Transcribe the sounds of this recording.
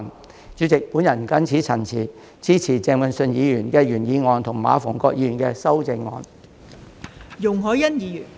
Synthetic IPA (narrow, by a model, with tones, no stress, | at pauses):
n | t͡ʃyː˨˥t͡sɪ˨k̚puː˨˥njɐ˨˩nkɐ˥nt͡sʰi˨˥t͡sʰɐ˨˩nt͡sʰiː˨˩ | t͡sʰiː˥t͡sʰiː˨˩t͡sɛː˧ŋwɐ˨˧nsɵ˧njiː˨˧jyː˨˩nkɛː˧jyː˨˩njiː˨˧ŋɔː˨˧nt̪ʰʊ˨˩ŋma̰ː˨˧fɔː˨˩ŋkɔː˧k̚jiː˨˧ɥyː˨˩nkɛː˧sɐ˥wt͡sɪ˧ŋːɔ̰ː˨˧n | jʊ˨˩ŋɦɔː˨˥jɐ˥njiː˨˧jy˨˩n